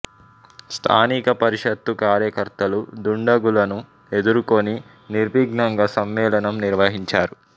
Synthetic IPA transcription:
st̪ʰa̰ːnikɐpɐɾiʂɐt̪ːukaːɾjɐkɐɾt̪ɐlud̪uɳɖɐɡulɐnu | e̞d̪uɾukoni | niɾʋiːɡnɐŋɡɐsɐmːɛːlɐnɐmniɾʋɐɦiɲt͡ʃaːɾu

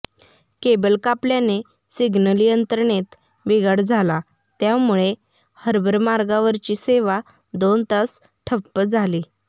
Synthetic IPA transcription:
kebəlkapljane | siɡnəliənt̪əɾɳet̪ | ʋiɡəɽd͡zʱala | t̪jamuɭe | həɾbəɾmaɾɡaʋəɾt͡ɕiːseʋa | d̪ont̪as | ʈʰəpːəd͡zʱaliː

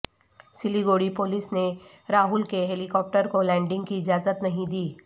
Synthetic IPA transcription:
sɪliɡoːɽipoːlɪsne | ɾaːɦʊlkeɦeːlikɔːp̚ʈəɾkolɛ̃ːɳɖɪ̃ŋɡkiɪd͡ʒaːzət̪nɐɦĩd̪iː

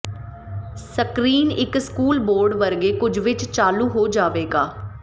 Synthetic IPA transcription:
səkɾiːnɪkskuːlboːɾɖʋəɾɡeːkʊd͡ʒʋɪt͡ʃt͡ʃaːluːɦoːd͡ʒaːʋeːɡaː

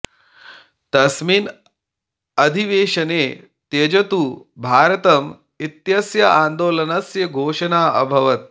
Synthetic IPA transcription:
t̪ɐsmiːn | ɐd̪ʱiʋeːʂɐneː | t̪eːd͡ʒɐt̪ubʱaːɾɐt̪ɐm | it̪jɐsjɐaːnd̪oːlɐnɐsjɐɡʱoːʂɐnaːɐ̰bʱɐʋɐt̪̚

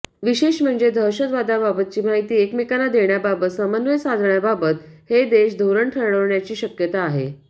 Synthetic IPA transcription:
ʋiɕeɕm̤əɳd͡zed̪ʱəɾɕəd̪ʋad̪ababət̪̚t͡ɕiːmaɦit̪iːekmekanad̪eɳjababət̪səmənʋəjsad̪ʱɳjababət̪hed̪eɕd̪ʱoɾəɳʈʰəɾɽəʋɳjat͡ɕiːɕəkjət̪aːɦḛ

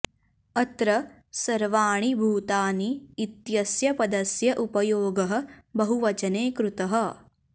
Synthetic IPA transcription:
ɐt̪ɾɐ | sɐɾʋaːɳibʱuːt̪aːniːt̪jɐsjɐpɐd̪ɐsjɐʔupɐjoːɡɐɦɐ̆bɐɦuʋɐt͡ʃɐneːkɾut̪ɐɦɐ̆

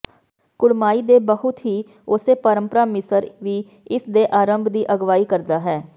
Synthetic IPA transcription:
kʊɽmaːiːd̪eːbəɦʊt̪ɦiː | ʊseːpəɾə̃mpəɾaːmɪsəɾʋiː | ɪsd̪eːʔaːɾəmbʱd̪iːʔəɡʋaːiːkəɾd̪aːɦɛː

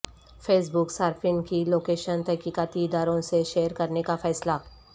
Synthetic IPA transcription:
feːs̬bʊksaːɾfʰɪ̃ŋkiloːkeːʃənt̪ɛɦkikaːt̪iɪd̪aːɾõseʃeːjəɾkɐɾnekafɛːsla

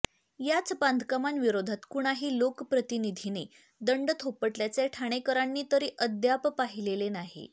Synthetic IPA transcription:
jat͡sband̪ʱəkamanʋiɾod̪ʱat̪kuɽ̃aɦiːlokpɾət̪inid̪ʱine | d̪əɳɖt̪ʰopəʈljat͡seʈʰaɽ̃ekəɾanːiːt̪əɾiːʔəd̪jappaɦilelenaɦḛ

